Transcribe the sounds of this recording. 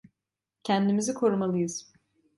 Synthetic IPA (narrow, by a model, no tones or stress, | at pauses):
cʰænd̪imizikʰo̞ɾumalˠɯjɯz̥